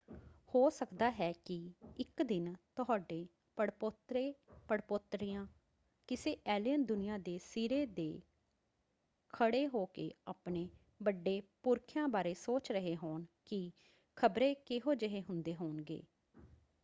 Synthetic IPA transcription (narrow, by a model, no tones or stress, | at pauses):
hoːsəkd̪aːɦɛːkɪɪkd̪ɪnt̪ʊɦaːɖeː | pəɽpot̪ɾeːpəɽpot̪ɾijãː | kɪseːʔɛːlijənd̪ʊnɪjãːd̪eːsiːɾeːd̪eː | kʰəɽeːɦoːkḛːaːpɳeː | bəɖːeːpʊɾkʰjãːbaːɾeːsoːt͡ʃɾəɦeːɦoːɳkɪ | kʰəbɾeːkɪɦoːd͡ʒəɦeːɦʊnd̪eːɦoːnɡḛː